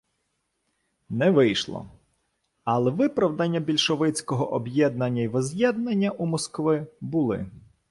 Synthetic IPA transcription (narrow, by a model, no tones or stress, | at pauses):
nɛʋɪjʃlˠɔ̰ | ɐlˠɛʋɪpɾɐwd̪ɐnʲːɐbʲilʲʃɔʋɪt͡sʲkɔɦɔʔɔbjɛd̪̚nɐnʲːɐjʋɔzʲjɛd̪nɐnʲːɐʔumɔskʋɪbʊlˠɪ̰